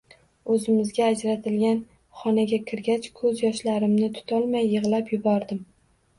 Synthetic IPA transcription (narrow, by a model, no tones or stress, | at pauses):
ɵzɪmɪzɡʲaːd͡ʒɾat̪ʰɪlɡʲan | χɒnaɡʲakʲʰɪɾɡʲat͡ʃkʰɵzjɒʃlaɾɪmnɪt̪ʰʊ̥t̪ʰɒlˠmajːɨʁlˠapjʊbɒɾd̪ɪm